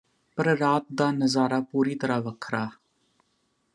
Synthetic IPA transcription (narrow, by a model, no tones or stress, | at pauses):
pəɾɾaːt̪̚d̪aːnəzaːɾaːpuːɾiːt̪əɾaːʋəkʰɾaː